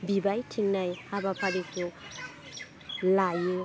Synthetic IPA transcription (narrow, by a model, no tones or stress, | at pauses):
bibajtʰiŋnajhabapʰaɾikʰu | laju